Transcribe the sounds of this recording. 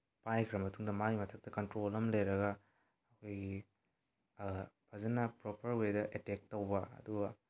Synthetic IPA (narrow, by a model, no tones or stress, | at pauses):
pajkʰɾɐmɐtʰuŋdɐmaɡimɐtʰɐk̚tɐkɐntɾolɐmlejɾɐɡɐ | ɐkʰojɡi | pʰɐzɐnɐpɾopʰɐɾwedɐʔetek̚tːɐwbɐɐ̰duɡɐ